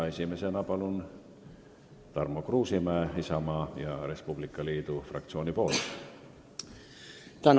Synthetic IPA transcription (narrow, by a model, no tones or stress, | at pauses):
e̞sʲime̞se̞nɑpɑlun | t̪ɑrmokruːsimæːisɑmɑːjɑɾe̞spub̥likːˑɑliːd̪̥ufrɑ̰k̚t̪sio̞ːnipo̞ːl | t̪æn